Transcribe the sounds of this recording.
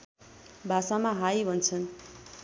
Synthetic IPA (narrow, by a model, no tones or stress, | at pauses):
bʱasamaɦajbʱʌnt͡sʰʌn